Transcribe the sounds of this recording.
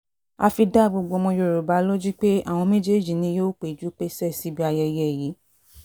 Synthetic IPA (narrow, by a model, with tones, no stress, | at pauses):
a˧fi˧da˦ɡ͡bo˧ɡ͡bo˧mɔ̃˧jo˧˨ɾo˨ba˨˦lo˦d͡ʒi˦k͡pe˦a̰˦˨w̃ɔ̃˧me˦d͡ʒe˦˨d͡ʒi˨nĩ˧˦jo˦k͡pe˨d͡ʒu˨˦k͡pe˦sɛ˦˨si˨˦bi˦a˧jɛ˧jɛ˦˨ji˨˦